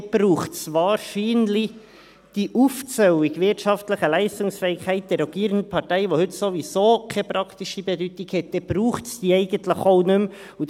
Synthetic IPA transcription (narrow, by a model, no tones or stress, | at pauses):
b̥ɾuːχtsvɑːɾʃiːnli | d̥iːʔuft͡sœwɪɡvɪtʃɑftləχəlæɪstʊŋsfɛːɪkhɛɪt̚d̥̪ɛɾːɔɡiːɾəndəpʰɑɾtɛɪʋohʏtsovisoːkʰɛpɾɑkt̪iʃibɛdyːtɪkhɛt̚d̥ɛb̥ɾuːχtsd̥iːɛɪɡəntləxoʊnʏm | ʊ